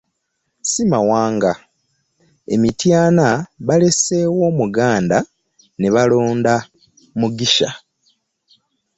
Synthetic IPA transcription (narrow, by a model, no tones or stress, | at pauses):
simawaːŋɡa | e̞mitjaːnaβale̞se̞ːwo̞ːmuɡaːnda | neβalo̞ːnda | muɡiʃa